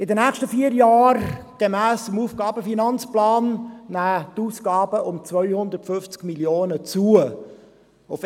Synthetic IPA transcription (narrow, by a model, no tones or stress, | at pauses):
ɪd̪ənæχʃtəfiəɾjɑːɾɡ̥emæːsʊmuːfɡ̥ɑːbəfinɑnt͡splɑːnːæːtuːsɡ̥ɑːbəʔʊmt͡svœjhʊnd̪ərtfʏft͡skmiljoːnət͡suə | ʊf